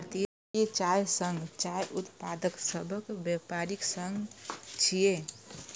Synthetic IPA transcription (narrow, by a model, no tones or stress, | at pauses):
ɾt̪i | ket͡ʃajsəŋɡt͡ʃajʔut̪pad̪əksəbʱəkbjəpaɾiksəŋɡt͡ʃʰije